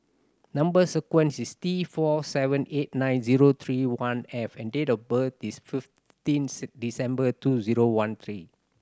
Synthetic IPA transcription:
nãmbəsəkwɛ̃nsist̪ifɔsɛvə̃net̚nãj̃nziɹot̪ʰɹiwãnɛfɛ̃ndetɔfbətisfif | tĩnsdisɛ̃mbətuziɹowãnt̪ʰɹi

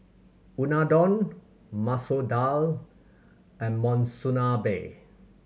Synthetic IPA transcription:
unadɔ̃n | masodal | ɛ̃nmɔ̃nsunabḛ

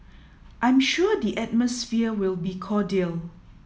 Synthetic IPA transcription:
ʔãj̃mʃuədiʔɛt̚məsfiəwɪlbikʰɔdil

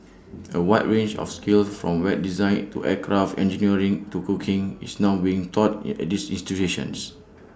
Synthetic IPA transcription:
əwaɪt̚ɹẽnd͡ʒɔ̰fskilsfɹɔ̰̃mwɛt̚dizãɪ̃ntṵʔɛkʰɹaftɛ̰̃nd͡ʒiniəɹĩŋtukukʰĩŋḭsnaʊbiĩŋtʰɔtɛ̰t̚disĩnstituʃə̰̃ns

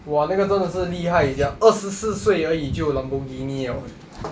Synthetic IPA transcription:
wanaɡət͡sənd̪əʂɻ̩liɦaɪit͡ɕjɑəʂɻ̩sɹ̩sweɪəit͡ɕjoʊləŋpuŋkiniɔ

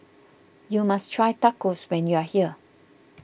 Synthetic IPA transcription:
jumastʰɹajtakoswɛ̃njuahiə

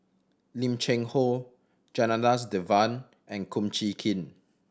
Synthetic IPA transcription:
lĩmt͡ʃɛ̃ŋho | d͡ʒananas̬dɛvãn | ɛ̃nkʰũmt͡ʃikʰĩn

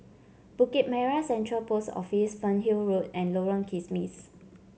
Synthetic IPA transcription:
b̥ukit̚mɛɹasɛ̃ntɹəlposɔ̰fisfə̃nɦilɹotɛ̃nloɹə̃nkʰismis

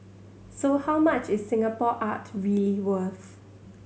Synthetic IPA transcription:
sohawmat͡ʃɪssɪ̃ŋapɔʔatɹiəliwəθ

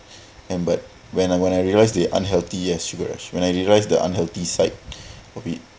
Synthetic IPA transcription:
ɛ̃nbat̚ | wɛ̃nawɛ̃najɹiəlajsdeʔã̰nɦɛlt̪iɛsʃuɡəɹa̰ʃwɛ̃najɹiəlajsdəʔã̰nɦɛlt̪isaɪt̚ɔfit̚

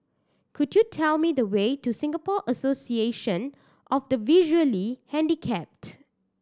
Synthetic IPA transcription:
kʰudjutʰɛlmidəwetusɪ̃ŋɡəpɔʔəsosieʃə̃n | ʔɔfdəviʒuəlihɛ̃ndikʰɛp̚t

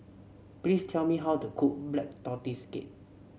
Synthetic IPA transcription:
plistʰɛlmiɦawtukʰuk̚blɛk̚tɔtiskḛt̚

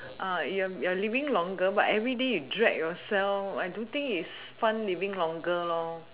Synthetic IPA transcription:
ʔãjuajualivɪ̃ŋlɔ̃ŋɡəbatɛvɹidejudɹɛk̚jɔsɛlfajdõnt̪ɪ̃ŋkis | fãnlivɪ̃ŋlɔ̃ŋɡəlɔ

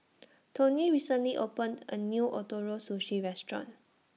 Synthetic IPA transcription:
tʰõniɹisə̃nliʔopə̃ndə̰njuʔɔtɔɹosoʃiɹɛstɹɔ̰̃n

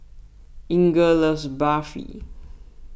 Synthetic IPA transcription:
ĩŋɡələsbafḭ

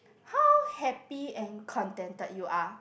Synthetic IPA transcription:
hawhɛpiɛ̃nkʰɔ̃ntɛ̃ntətjuʔa

